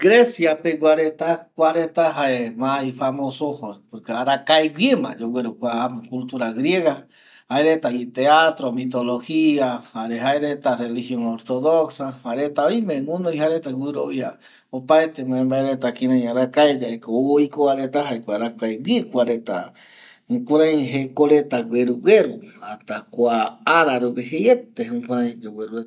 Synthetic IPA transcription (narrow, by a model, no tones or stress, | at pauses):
ɡɾesjapeɡʷaɾet̪akʷaɾet̪aɦaemãifamosohopoɾkeaɾakaewʷiemã̰d͡ʒowʷeɾokʷaamekult̪uɾaɡɾjeɣa | haeɾet̪ait̪eat̪ɾomit̪olohiahaɾeɦaeɾet̪arelixjoŋoɾt̪oðoksahaɾet̪aojmẽŋũnoihaɾet̪awɨɾoβja | opaet̪emãẽmbaeɾet̪akĩɾãj̃aɾakaed͡ʒaekoojkoaɾet̪aɦaekʷaaɾakaewikʷaɾet̪a̰ | ũkʷuɾãj̃ɦekoɾet̪awʷeɾuwʷeɾuhat̪akʷaaɾaɾuβehejet̪eũkʷãɾ̃ãj̃owʷeɾue